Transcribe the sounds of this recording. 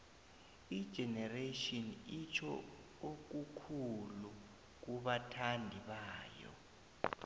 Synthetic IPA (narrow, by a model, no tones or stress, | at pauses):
id̥ʒ̥ʱɛnɛreʃɔnit͡ʃʰɔ | ok̬ukʰulu | k̬uɓatʰandʱiɓaːjɔ̰